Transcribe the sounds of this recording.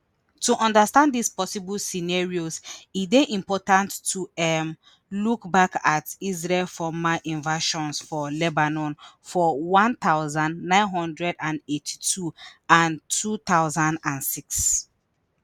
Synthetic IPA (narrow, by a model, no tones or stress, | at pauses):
tʰuʔɔ̃ndəstãnddispɔsibəlsinaɹiozitdeʔĩmpɔtãntːuɛm | lukbakatizɹɛlfɔmaʔĩnvaʃɔ̃nsfɔlɛbanɔ̃nfɔwɔ̃nt̪aʊzãndnãɪ̃nɦɔ̃ndɹɛdãnetʰi̥tʰuãntʰuθaʊzãndãnsiks